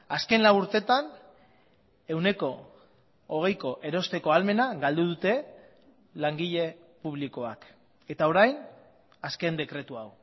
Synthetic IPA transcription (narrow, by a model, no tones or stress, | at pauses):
aske̞nlawuɾt̪e̞t̪an | e̞wne̞ko̞ː | ɣ̞e̞jko̞ʔe̞ɾo̞st̪e̞ko̞alme̞naɡald̪uð̞ut̪e̞ | laŋɡiʎe̞ | puβ̞liko̞ak | e̞t̪ao̞ɾajn | aske̞nd̪e̞kɾe̞t̪uaw